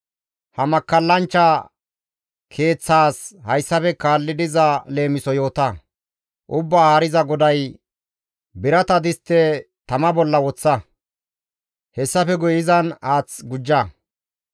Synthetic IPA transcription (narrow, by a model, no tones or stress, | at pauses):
hɐmɐkːɐlːɐnt͡ʃːɐ | kʰe̞ːt͡sːaːshɐjsːɐfɛkaːlːɪd̪ɪzɐle̞ːmɪsɔjo̞ːt̪ɐ | ʔʊbːaːaːɾɪzɐɡɔd̪ɐj | bɪɾɐt̪ɐd̪ɪst̪ːɛ | t̪ɐmɐbɔlːɐwɔt͡sːɐ | hɛsːɐfɛɡʊjɪzɐnaːt͡sɡʊd͡ʒːɐ